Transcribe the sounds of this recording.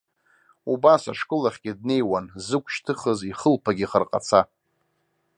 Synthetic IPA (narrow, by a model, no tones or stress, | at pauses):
ubasa̰ʂkʼɨlaχʲɡʲɪd̚ne̞jwanzɨkʷʰʃtʰɨχəziχəlpʰaɡʲiχərqʼa̰t͡sʰa